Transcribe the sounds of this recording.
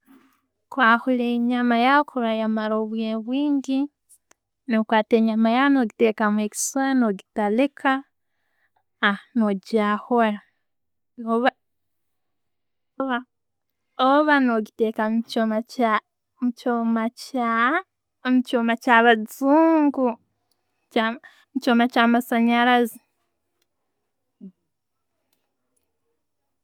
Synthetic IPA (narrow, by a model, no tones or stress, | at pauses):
kwaːhuleɲamajaokuɾajamaɾoβweβwiːɲɡi | nokwaːteːɲamajaonoɡitekamweki̥swanoɡitalekʰa | noɟahoɾa | oβa | oβa | oβanoɡitekamt͡ʃomaa | mcomaca | mucoːmacaβad͡zuːŋɡu | a | mt͡ʃomacaːmasaɲaɾazi